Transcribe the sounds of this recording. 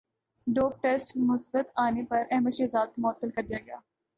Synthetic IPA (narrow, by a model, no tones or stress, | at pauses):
ɖoːp̚ʈeːsʈmʊsbət̪aːnepɐɾɛɦməʃeːzaːd̪̚kamʊət̪ːəlkɐɾd̪ijaɡɐjaː